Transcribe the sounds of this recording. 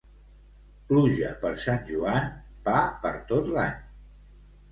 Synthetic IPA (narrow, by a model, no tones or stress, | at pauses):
pluʒə̰pəɾsanʲʒuan | papə̰ɾt̪ot̪laɲ